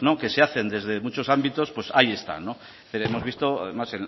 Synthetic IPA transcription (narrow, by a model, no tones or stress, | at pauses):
no̞ke̞se̞aθe̞nd̪e̞zðe̞mut͡ʃo̞sambit̪o̞spwe̞sa̰ie̞st̪a̰no̞ | θiɾe̞mo̞zβist̪o̞a̰ðe̞masen